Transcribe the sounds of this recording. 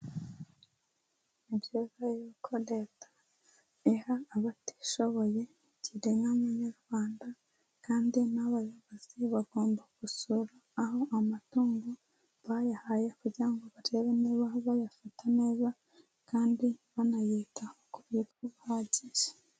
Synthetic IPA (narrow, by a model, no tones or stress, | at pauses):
ibɟoːzajiβikʰodetḁ | ehaːβati̥ʃo̞βo̞je̞ | ɟiɾeŋamaɲaɾɡwaːnda | kaːndinaβajoβoz̥iβaɡo̞ːmbaɡusuɾaːɦo̞ʔamatuːŋɡo | βajahaje̞kuɾɟiɾaŋɡo̞βaɾeβeniβahβajafatane̞ːza | kaːndiβanajiːtaokuβituβuhaɟiʒe̥